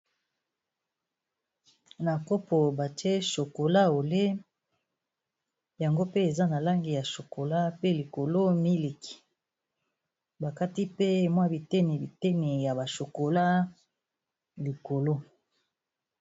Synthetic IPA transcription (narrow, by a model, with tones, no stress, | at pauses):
na˨ko˦po˨ba˨te˦ʃo˨ko˨la˦o˨le˦ | ja˨ŋɡo˦pe˦e˨za˦na˨la˦ŋɡi˨ja˨ʃo˨ko˨la˦pe˦li˨ko˨lo˦mi˦le˨ki̥˦ | ba˨ka˦ti˦pe˦˨mwa˦bi˨te˦ne˨bi˨te˦nɛ˨ja˨ba˨ʃo˨ko˨la˦ | li˨ko˨lo˦